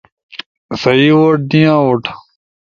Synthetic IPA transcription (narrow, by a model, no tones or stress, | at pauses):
sɐiːwoʈ̚d̪ĩjãːwoʈʰ